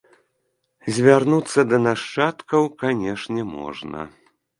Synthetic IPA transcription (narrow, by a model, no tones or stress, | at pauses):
zʲvʲarnut̪sːɐd̪ɐnaʂt͡ʂat̪kɐwkanʲɛʂnʲɛmɔ̰ʐnɐ̰